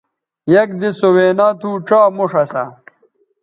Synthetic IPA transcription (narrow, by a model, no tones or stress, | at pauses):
jɐk̚d̪isoweːnat̪ʰuːʈ͡ʂaːmoʂɐsɐ